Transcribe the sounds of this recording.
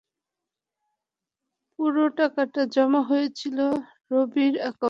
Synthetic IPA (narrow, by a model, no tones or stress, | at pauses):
puɾoʈakaʈad͡ʑɔmaɦojet͡ɕʰilo | ɾobiɾaka